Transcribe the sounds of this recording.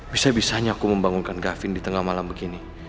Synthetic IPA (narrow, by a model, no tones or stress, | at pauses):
b̥isabisaɲaːkuməmbaŋunkanɡafɪndit̪əŋahmalambəɡini